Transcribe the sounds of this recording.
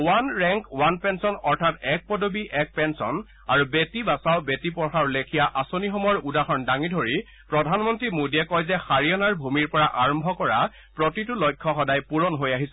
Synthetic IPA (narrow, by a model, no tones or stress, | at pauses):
wanɹɛŋkwanpɛnsɔnɔɹtʰatɛk̚pɔdobiʔɛk̚pɛnsɔn | aɹubetibasaʊbetipɔxaɹlekʰijaʔasonixɔmɔɹudaxɔndaŋidʱoɹi | pɹɔdʱanmɔntɹimodiɛkɔjzɛxaɹijɔnaɹbʱumiɹpɔɹaʔaɹɔmbʱɔkɔɹa | pɹɔtitulɔjkʰːɔxɔdajpuɹɔnɦojaɦisɛ